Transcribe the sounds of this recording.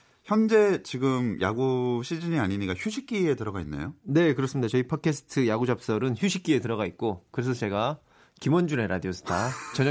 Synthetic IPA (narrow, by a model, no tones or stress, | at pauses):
çjʌnd͡ʑe̞t͡ɕiɡɯmja̰ɡuɕʰid͡ʑiɲiaɲiɲik͈açjuɕʰik͈ie̞tɯɾʌɡainːḛjone̞kɯɾʌs͈ɯmɲidat͡ɕʌipʰʌt̚kʰesʰɯ̥tʰɯjaɡud͡ʑap̚s͈ʌɾɯnçuɕʰik͈ie̞tɯɾʌɡait̚k͈okɯɾe̞s̬ʰʌt͡ɕe̞ɡa | kimʌnd͡ʑuɾe̞ɾʔa̰diosʰɯ̥tʰat͡ɕʌɲ